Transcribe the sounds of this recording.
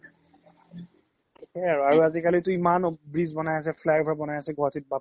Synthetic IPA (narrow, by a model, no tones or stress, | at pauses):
ɛɹaɹuazikalitʊimanbɹizbɔnajas̬ɛflajbʱɔɹabɔnajasɛɡʱɔɦatit̚ba